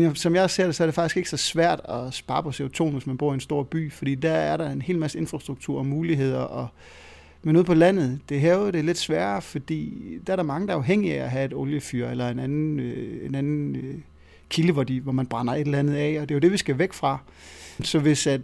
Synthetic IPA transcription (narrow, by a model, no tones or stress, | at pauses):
njæsɒ̽mjɑ̈se̝ɐ̰d̥e̝sɒɐɾ̥efɑ̈ɡ̥isɡ̥e̝ɡ̥əsɒ̽sʋæɐ̰d̥ɒ̽sb̥ɑ̈ːpʰɒ̽seo̝t͡sʰo̝̰ːnʋe̝smænb̥o̝ɐ̰ie̝nsd̥o̝ɐ̰b̥y̰ːfɒd̥ḭːd̥ææɐɾɑ̈e̝nhe̝̰ːlmæsəe̝nfʁɑ̈sd̥ʁuɡ̥̚t͡sʰuɐ̰ɒmuːliɦe̝ð̞̰ˠɐʔɒ̽ | menuð̰ˠpʰɒ̽læn̰ð̞̩ˠd̥e̝ɦɛːʊð̩ˠd̥e̝le̝d̥sʋæːɐfɒ̽d̥ḭːd̥ææɐɾɑ̈mɑ̈ŋəd̥ɑ̈ɑ̈ʊɦeŋ̰iææɦæe̝d̥oljəfyɐ̰elɐe̝nænn̩øenænn̩ø | kʰiləʋɒd̥iʋɒmænb̥ʁɑ̈n̰ɐe̝delænð̩ˠɛɒ̽d̥e̝jo̝d̥e̝ʋisɡ̥æʋeɡ̥fʁɑ̈ | sɒ̽ʋe̝sæd